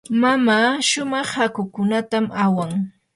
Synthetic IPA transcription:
mamaːʃʊmɑχhakʊkʊnat̪amawaŋ

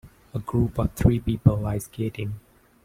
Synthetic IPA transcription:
əɡɹupɔv̥t̪ʰɹiːpiːpəlaɪskʰetɪ̃ŋ

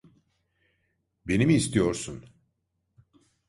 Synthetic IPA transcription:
be̞nimiːst̪ʰijo̞ɾsun

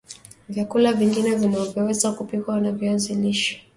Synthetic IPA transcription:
vjakulaviŋɡinɛvimɛvɛwɛzakupikwanaviaziliʃɔ̥

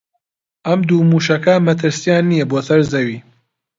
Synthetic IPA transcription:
ʔɐmd̪uːmuːʃɐkɐmɐt̪ʰɨɾsijaːnːijɛboːsɐɾzɐwiː

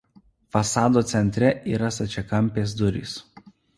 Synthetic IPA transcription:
fɐsɑːd̪oːt̪sʲɛnʲt̪ʲɾʲɛʔiːɾɐsɐt͡ʃʲɛkɐmʲˑpʲeːs̬d̪ʊɾʲḭˑs

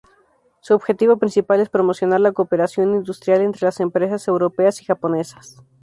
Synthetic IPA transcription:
suobxe̞t̪iβo̞pɾinsipale̞spɾo̞mo̞sjo̞naɾlakope̞ɾasjo̞nind̪ust̪ɾjale̞nt̪ɾe̞lase̞mpɾe̞sase̞wɾo̞pe̞asi̥xapo̞ne̞sḁs

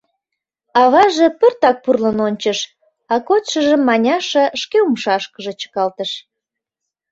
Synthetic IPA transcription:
ɑβɑʒĕpørt̪ɑk̚purlənonʲt͡ɕəʃ | ɑkot̪ʃəʒəmːɑnʲɑʃəʃkeumʃɑʃkəʒĕt͡ɕə̥kɑlt̪əʃ

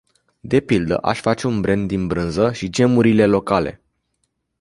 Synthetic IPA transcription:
d̪e̞pild̪ə̰ʔa̰ʃfat͡ʃe̞unbɾe̞nd̪inbɾɨnzəʃid͡ʒe̞muɾile̞lo̞kale̞̰

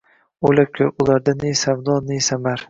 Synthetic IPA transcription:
olakʲʰɵɾʊlˠaɾd̪anejsamd̪ɒːnesamaɾ

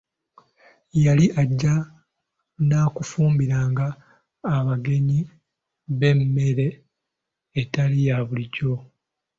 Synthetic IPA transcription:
jaliʔaɟːa | naːkufuːmbiɾaːŋɡaː | βaɡe̞ɲi | βe̞mːe̞ɾe̞ː | talijaβuliɟo̞

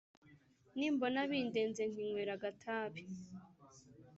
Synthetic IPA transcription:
niːmbo̞naβiːnde̞ːnzeŋ̥iŋweːɾaɡatʰaːβi

